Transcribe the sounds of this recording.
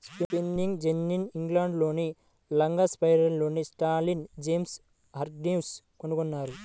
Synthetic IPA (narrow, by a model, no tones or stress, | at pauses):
spipinːiŋɡd͡ʒenːiniŋɡlaːɳɖlo̞ːni | lɐŋɡɐspɐjɾɐnlo̞ːnisʈaːɾlind͡ʒeːms | ɦɐɾɖims | konukonːaːɾu